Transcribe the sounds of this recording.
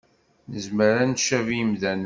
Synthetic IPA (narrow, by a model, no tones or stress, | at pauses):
nəzməɾænʃævimðæn